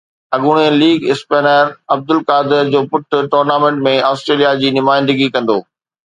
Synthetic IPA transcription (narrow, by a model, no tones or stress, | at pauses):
ɐɠʊɽ̃eliːɡɪspeːnəɾɐb̚d̪ʊlkaːd̪ɪɾd͡ʑoːpʊʈʰʊ̆ʈoːɾnaːmẽːɳʈmẽaːsʈɾeːlijad͡ʑiːnʊmaːɪ̃nd̪əɡikɐ̃nd̪o̰ː